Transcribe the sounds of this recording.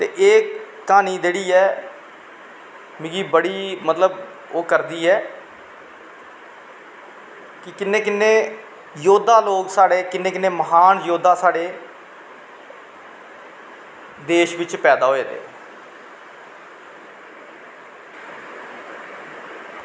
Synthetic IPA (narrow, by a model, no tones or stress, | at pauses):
t̪eːʔeː | aːniːd͡ʒeːɽiːɛː | miːɡiːbəɽiːmət̪ləb | oːkəɾd̪iːɛː | kɪkɪnːẽːkɪnːẽː | joːd̪aːloːksaːɽeːkɪnːẽːkɪnːẽːməɦaːnjoːd̪ʱaːsaːɽeː | d̪eːʃʋɪt͡ʃpɛːd̪aːɦoːeːt̪ḛː